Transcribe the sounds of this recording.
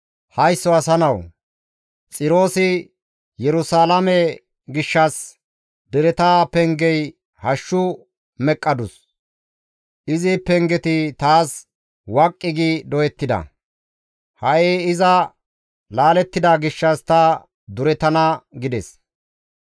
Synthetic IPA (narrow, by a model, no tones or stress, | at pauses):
hɐjsːɔɐsɐnɐw | t͡sʼɪɾo̞ːsɪ | jɛɾʊsaːlɐmɛ | ɡɪʃːɐs | d̪ɛɾɛt̪aːpɛŋɡɛj | hɐʃːʊ | mɛkʼːɐd̪ʊs | ʔɪzɪpɛŋɡɛt̪ɪt̪aːs | wɐkʼːɪɡid̪ɔjɛt̪ːɪd̪ɐ̰ | hɐʔeːɪzɐ | laːlɛt̪ːɪd̪aɡɪʃːɐst̪ɐ | d̪ʊɾɛt̪ɐnɐɡɪd̪ɛs